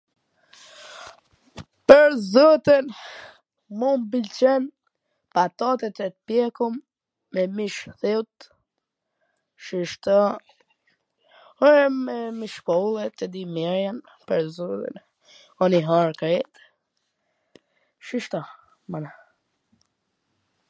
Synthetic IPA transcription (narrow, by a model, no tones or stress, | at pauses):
pəɾzɔt̪in | mumbilt͡ɕɛn | pat̪ɔt̪ɛt̪ɾɛt̪pjɛkumː | ɛmiʃθiwt̪ | ʃiʃt̪ɔ | ɔɛmɛmiʃpɔlˠɛt̪ɛd̪imɛɾjan | pəɾzɔt̪ḭn | ɔniɦɔɾkɾɛt̪ | ʃiʃt̪ɔ | mana